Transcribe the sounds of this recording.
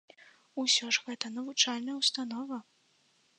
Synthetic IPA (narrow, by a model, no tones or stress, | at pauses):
usʲɔʐɣɛt̪ɐnɐvut͡ʂalʲnɐjwst̪an̪ɔvɐ